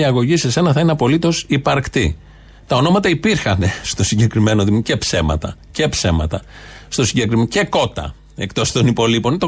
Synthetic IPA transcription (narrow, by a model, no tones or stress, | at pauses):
iɐɣo̞ʝise̞se̞nɐθɐineɐpo̞lit̪o̞sipɐɾkt̪i | t̪ɐo̞no̞mɐt̪ɐipiɾxɐne̞st̪o̞siɲɟe̞kɾime̞noðimce̞pse̞mɐ̰t̪ɐ̰ | ce̞psemɐ̰t̪ɐ | st̪o̞siɲɟe̞kɾice̞ko̞t̪ɐ̰ | e̞kt̪o̞st̪o̞nipo̞lipo̞nit̪o